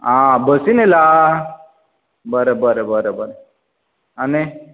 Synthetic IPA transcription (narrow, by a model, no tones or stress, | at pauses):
ãbəsinela | bəɾebəɾebəɾebəɾe | ane